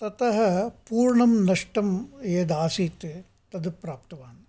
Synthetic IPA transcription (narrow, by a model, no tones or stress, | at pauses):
t̪ɐt̪ɐɦɐpuːɾɳɐmnɐʂʈɐmeːd̪aːsiːt̪ | t̪ɐd̪upɾaːp̚t̪ɐʋaːn